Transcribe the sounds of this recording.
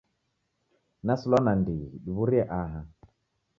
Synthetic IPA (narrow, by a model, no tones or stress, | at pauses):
nasulwanandiɗiβuɾiɛʔaɦa